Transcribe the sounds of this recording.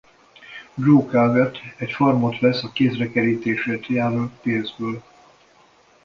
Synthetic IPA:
broːkalvɛt̪ːɛcformot̪ʋɛsɒkeːzrɛkɛɾiːt̪eːʃeːt̪jaːlolt̪peːnzbøːl

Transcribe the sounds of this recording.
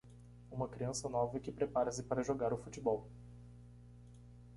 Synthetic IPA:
ũmɐkɾiɐ̃sɐnɔvɐkɪpɾepaɾɐsɪpaɾɐʒoɡaɾʊfut͡ʃibɔw

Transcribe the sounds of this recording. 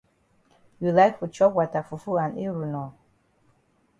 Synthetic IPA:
julaɪkfut͡ʃɔkwɔtafufuãniɹunɔ

